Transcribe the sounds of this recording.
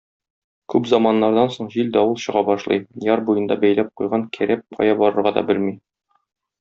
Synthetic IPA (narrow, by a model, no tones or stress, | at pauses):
kʉpzɑmɑnːɑɾd̪ɑnsoɴʑild̪ɒulˠɕɤ̆ʁɑbɒʃlˠɤ̰jjɑɾbujɤ̆nd̪ɑbæjlæp̚qujʁɑŋkʰæɾæp̚qʰɒ̰jɑbɒɾɤ̆ɾʁɑd̪ɒ̰bɘlmi